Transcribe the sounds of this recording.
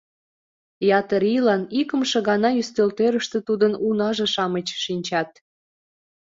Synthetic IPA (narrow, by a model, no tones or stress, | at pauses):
jɑt̪əɾilɑnikə̆mʃə̆ɣɑnɑjyst̪ølt̪eɾəʃt̪ĕt̪ud̪ənunɑʒĕʃɑmət͡ɕʃinʲt͡ɕɑt̪̚